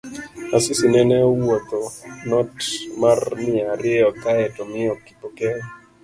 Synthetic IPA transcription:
asɪsinɛnɛɔwot̪ɔnɔtmarmɪaɾɪɛɔkaɛtɔmɪɔki̥pokɛ

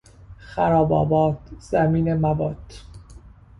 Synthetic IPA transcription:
xæɾɒːbɒ̰ːbɒːt̪ʰz̥æmiːnemævɒːt̪

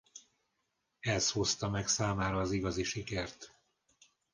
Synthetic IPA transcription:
ɛsho̞st̪ɒmɛksaːmaːɾɒːziɡɒziʃikɛrt̪

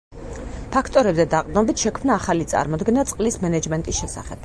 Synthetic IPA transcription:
pʰakʰt̪ʼɔɾɛbzɛd̪aqʼd̪nɔbit̪ʰʃɛkʰmnaːχalit̪sʼa̰ɾmɔd̪ɡɛnat̪sʼqʼlismɛnɛd͡ʒmɛnt̪ʼisʃɛsaχɛb̥

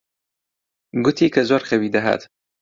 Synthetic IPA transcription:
ɡʊt̪ʰiːkʰɐzɔɾxɐwiːd̪ɐɦa̰t̪

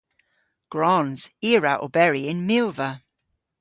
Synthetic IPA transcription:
ɡ̥ɹɔ̃nz̥iəɹaʔə̰bɛɹiɪ̃nmɪlˠvə

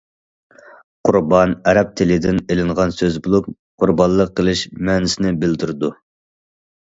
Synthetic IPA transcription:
qʰʊɾbɑnɛɾɛp̚t̪ʰɪlɪd̪ɪnelɪɴʁɑnsøzbolˠup̚ | qʰʊɾbɑnllːˠəqʰːəlˠɨʃmɛːnɪsɪnɪbɪld̪yɾd̪u

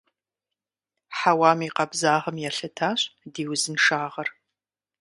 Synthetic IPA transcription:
ħawaːmiːqɐbzaːʁɐmjɛɬɐtʰaːɕʼdiːwzɨnʂaːʁɐr

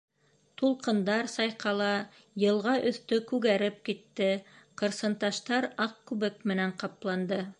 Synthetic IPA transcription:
t̪ulˠqɤ̆nd̪ɑɾsɑjqɑlˠɑ | jɤ̆lˠʁɑʔɵ̆θt̪ɵkʉɣæɾɘp̚kit̪ːɘqɤ̆ɾsɤ̆nt̪ɑʃt̪ɑɾɑq̚kʉβɘk̚mɘ̆næɴqɑplˠɑnd̪ɤ

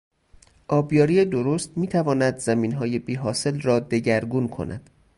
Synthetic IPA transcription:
ʔɒːbjɒːɾijed̪oɾost̪miːt̪ʰævɒːnæd̪zæmiːnɦɒːje̞biːɦɒːse̞lrɒːd̪e̞ɟæɾɡunkʰo̞̰nʔæ̰d̪̥

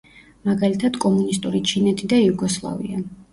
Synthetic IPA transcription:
maɡalit̪ʰad̪̥kʼɔmunist̪ʼuɾit͡ʃʰinɛt̪ʰid̪aijuɡɔslˠa̰vḭa

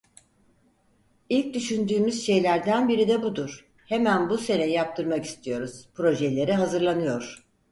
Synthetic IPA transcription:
ilʲc̚d̪yʃynd̪yːmyz̥ʃe̞jlʲæɾd̪ænbiɾid̪ɛbud̪uɾ̥ | hemænbuse̞nejijap̚t̪ʰɯɾmaki̥st̪ʰijo̞ɾuz̥pɾo̞ʒɛlʲe̞ɾiɦazɯɾlˠanɯjo̞ɾ̥

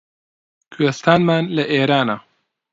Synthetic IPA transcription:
kʰest̪aːnmaːnlɐʔeːɾaːna

